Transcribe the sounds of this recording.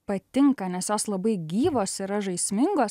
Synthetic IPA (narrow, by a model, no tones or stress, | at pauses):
pɐt̪ʲɪŋkɐnʲɛsjoːslˠɐbɐɪɡʲiːʋoːsɪɾɐʒɐɪsʲmʲɪŋɡoːs